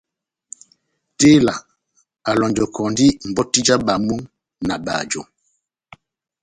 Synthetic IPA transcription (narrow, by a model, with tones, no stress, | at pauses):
te˦la˨ | a˨lɔ˨nd͡ʒɔ˨kɔ˨ndi˦m̩˨bɔ˦ti˦d͡ʒa˦ba˨mu˦ŋ | na˨ba̰˨d͡ʒo̰˨